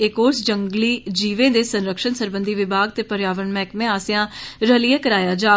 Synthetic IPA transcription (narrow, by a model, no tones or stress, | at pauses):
ekoːɾsd͡ʒəŋɡliːd͡ʒiːʋẽːd̪eːsənɾəkʃənsəɾbənd̪ʱiːʋɪbʱaːɡ̚t̪eːpəɾjaːʋəɳmɛ̃ːkmẽːaːsɪjãːɾəlieːkəɾaːjaːd͡ʒaː